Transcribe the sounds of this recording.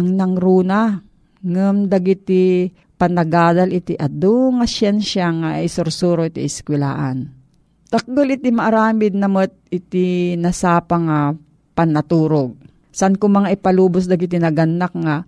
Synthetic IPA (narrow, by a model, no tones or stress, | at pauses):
ɐŋnɐŋɾuːna | ŋɐmd̪ɐɡɪt̪i | pɐnɐɡaːd̪ɐlɪt̪iʔɐd̪oŋɐʃɛnʃjaŋaʔɪsoɾsuːɾoʔit̪ḭɪskwɛla̰ːʔan | t̪ɐk̚ɡolɪt̪imɐʔɐɾaːmɪd̪̚nɐmot̪̚ɪt̪ɪnɐsaːpaŋa | pɐnɐt̪uːɾoɡ̚ | sɐʔankʊmɐŋaʔɪpɐluːbos̬d̪ɐɡɪt̪inɐɡɐnːak̚ŋa